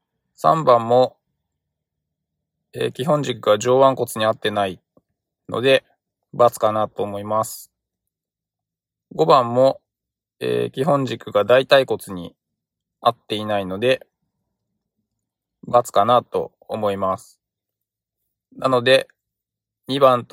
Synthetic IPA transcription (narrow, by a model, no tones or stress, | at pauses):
sã̰mbãmːo̞ | e̞̰ːkʲiɦõ̞ɲ̟d͡ʑikɯ̟ɡaʑo̞ːβãŋko̞t͡sɨɲ̟iat̪ːe̞nai | nʔo̞̰d̪e̞ | bat͡sɨ̥kanat̪o̞ːmo̞imasɨ̥ | ɡo̞bãmːo̞ | e̞̰ːkʲiɦõ̞ɲ̟d͡ʑikɯ̟ɡad̪ait̪aiko̞t͡sɨɲ̟i | at̪ːe̞inaino̞d̪e̞ | bat͡sɨ̥kanat̪o̞̰ | omo̞imasɨ̥ | nano̞d̪e̞ | ɲ̟ibãnt̪